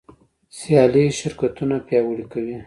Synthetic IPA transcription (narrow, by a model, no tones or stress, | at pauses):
sjɑliʃɪɾkat̪unapjɑwəɽikawi